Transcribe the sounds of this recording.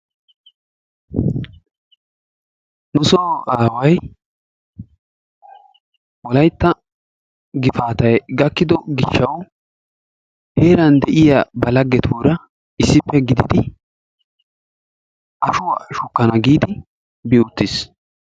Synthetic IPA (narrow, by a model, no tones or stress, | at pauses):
nʊsoʔaːwɐj | wɔlɐjt̪ːɐ | ɡɪfaːt̪ɐjɡɐkːɪd̪ɔɡɪʃːɐw | heːɾɐnd̪ɛʔɪjabɐlɐɡːɛt̪ʰuːɾɐ | ɪsːɪpːɛɡɪd̪ɪd̪ɪ | ʔɐʃʊwaʃʊkːɐnɐɡiːd̪ɪ | biʊt̪ːɪs